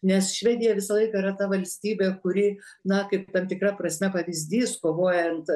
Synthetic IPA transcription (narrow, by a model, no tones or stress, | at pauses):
nʲɛsʃʲʋʲæːd̪ʲɪjɛʋʲɪsɐlˠɐɪkɑiɾɐt̪ɐʋɐlʲsʲt̪ʲiːbʲeːkʊɾʲɪnɐkɐɪpt̪ɐmt̪ʲɪkrɐprɐsʲmʲɛpɐʋʲizʲd̪ʲiːskoːʋoːjɛnt̪